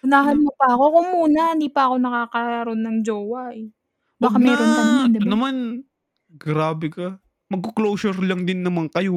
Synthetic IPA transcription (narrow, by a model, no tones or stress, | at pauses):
ʊnaːɦɐnmopɐʔɐko̞kʊŋmːuːnɐhɪnd̪iːpɐʔɐko̞nɐkaːkɐɾo̞nːɐŋd͡ʒoːwɐʔɛ | baːkamɛːɾont̪ɐnd̪ɐnɐman | ɡɾaːbɛkɐ | mɐɡ̚koklowsɛɾlɐŋd̪ɪnːɐmaŋkɐjo